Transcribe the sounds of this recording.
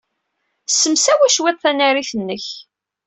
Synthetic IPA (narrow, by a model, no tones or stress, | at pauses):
sːəmsæwæʃwet̪ˤθænæɾiθənːəç